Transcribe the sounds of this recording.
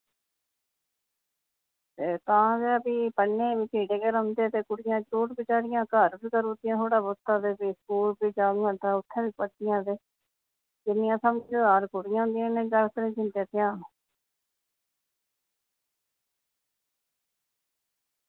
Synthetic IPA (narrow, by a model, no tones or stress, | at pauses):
t̪eːt̪ãːɡeaːbiːpəɳːeːbiːt͡ʃiːɽeːkeːɾə̃nd̪eːt̪eːkʊɽɪjãːd͡ʒɾoːʈbɪt͡ʃaːɽɪjãːkəɾbiːkəɾoːd̪ɪjãːt̪ʰoːɽaːbost̪aːd̪eːbiːskuːlbiːd͡ʒaːnə̃nd̪aːʊt̪ʰːẽːbiːpəd̪ɪjãːd̪eː | d͡ʒɪnːɪjãːsamːd͡ʒod̪aːɾkʊɽɪjãːɦʊ̃nd̪ɪjãːnẽːd͡ʒəlkənẽːd͡ʒɪnd̪eːt̪ɪjãː